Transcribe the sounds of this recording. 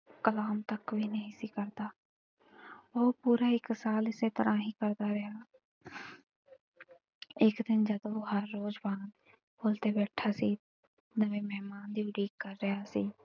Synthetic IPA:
kəlaːmt̪əkʋiːnəɦĩːsiːkəɾd̪aː | oːpuːɾaːɪksaːlɪseːt̪əɾãːɦiːkəɾd̪aːɾəjaː | ɪkd̪ɪnd͡ʒəd̪oːɦəɾːoːd͡ʒbaːn | boːlt̪eːbɛːʈʰaːsiː | nəʋẽːmɛɦmaːnd̪iːʊɖiːkːəɾːəɦaːsiː

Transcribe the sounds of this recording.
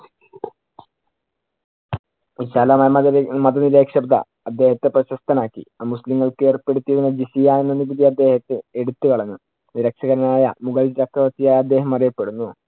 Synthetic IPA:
ɕalɐmjmmɐd̪ɐniɾeːkʂɐbd̪ɐ̰ | ɐd̪ːe̞ːhɐt̪ːeprɐɕɐst̪ɐnaːkːiamusliŋːɐɭkɨeːrpːe̞ɽut̪ːijɐðinːɐd͡ʑisijaːnenːenːibid̪ijɐɐd̪ːe̞ːhɐt̪ːɨe̞ɽut̪ːɨkɐɭɐɲːu | niɾɐkʂɐɣɐɾɐnaːjɐ̰muɣɐld͡ʑɐkːɐʋɐt̪ːijaːjɐd̪ːe̞ːɦɐmɐrijɐpːe̞ɽunːu

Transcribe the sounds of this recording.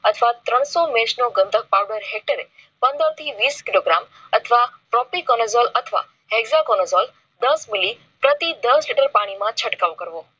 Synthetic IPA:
ət̪ʰəʋat̪ɾəɽ̃sɔmẽʃnoɡə̃nd̪ʱək̚paːwɖəɾɦek̚ʈəɾe | pɐ̃nd̪əɾt̪ʰiʋiːskɪloːɡɾaːm | ɐt̪ʰəʋapɾɔːpikɔnəzɔːlɐt̪ʰəʋa̰ | ɦeɡzakɔːnəzɔːl | d̪ɐsmɪli | pɾət̪id̪əsliʈəɾpaːɽ̃imãt͡ɕʰəʈkaːʋokəɾʋoː

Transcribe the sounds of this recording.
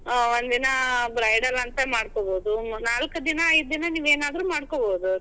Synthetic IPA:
ond̪inɐbɾɐjɖɐlɐnt̪ɐmaːɽkoːboːd̪unaːlkud̪inɐːjd̪̚d̪inɐniːʋeːnaːd̪ɾumaːɽkoboːd̪u

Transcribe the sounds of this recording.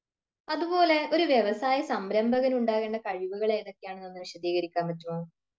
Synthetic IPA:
ɐðubo̞ːle̞o̞ɾuʋjeʋɐsaːjɐsɐmɾɐmbʱɐɣɐnuɳɖaːɣeːɳɖɐkɐɻiʋuɣɐɭe̞jɐðo̞kːejaːɳenːenːuɨniɕɐd̪iːɣɐɾikʲːaːmːɐtːumoː

